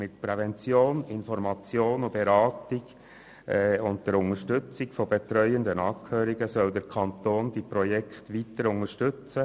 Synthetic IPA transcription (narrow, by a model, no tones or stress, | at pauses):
mɪtpɾɛvɛnt͡sjoːnɪnfɔɾmɑt͡sjoːnub̥eɾɑːtɪɡ̥ | ʊnt̚d̥̪ɛɾʊŋəʃtʏt͡sɪɡfɔbet̪ɾœʏənd̪ənɑːkʰhøːɾiɡəsœld̪ɛɾkʰɑnt̪oːndipɾɔjɛkχtʋitəɾʊŋəʃtʏt͡sə